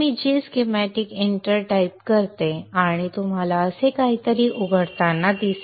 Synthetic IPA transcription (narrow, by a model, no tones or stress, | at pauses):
miːd͡ʑiskemæʈikeɳʈəɾʈajp̚kəɾt̪eaɽ̃it̪um̤alaəsekaɦit̪əɾiʔuɡʱəɽt̪anːad̪is